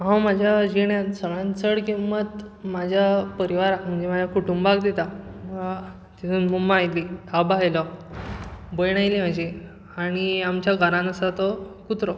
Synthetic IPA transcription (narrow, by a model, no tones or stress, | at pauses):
ɦãwmad͡ʑʱjad͡ʑeɳjasəɡɭãnt͡səɽkimʋət̪mad͡ʑʱjapəɾiʋaɾakm̤əɳd͡ʑemad͡ʑʱjakʰuʈumbaɡd̪et̪amə | t̪it̪ʰuːnmumaːjliabajlɔ | bəjɳ̃ajlem̤ad͡ʑe | aɽ̃iamt͡ɕjaɡʱaɾãnəsat̪ɔkut̪ɾɔ